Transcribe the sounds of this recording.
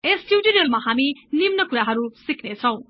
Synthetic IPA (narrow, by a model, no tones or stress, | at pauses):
esʈʰjiwʈiɾelmaɦaminimnʌkuɾaɦʌɾusikʰnet͡sʰʌw̃